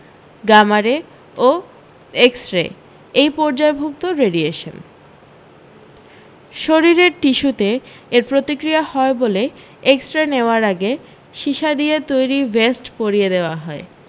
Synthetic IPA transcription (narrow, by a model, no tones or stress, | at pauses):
ɡamaɾe | o | eksʈɾḛ | ejpɔɾd͡ʑaebʱuk̚t̪oɾeɖieʃo̰n | ʃoɾiɾeɾʈiʃut̪e | eɾpɾot̪ikɾijahɔebole | eksʈɾeneoaɾaɡe | ʃiʃad̪iet̪ojɾivesʈpoɾied̪eoaɦɔe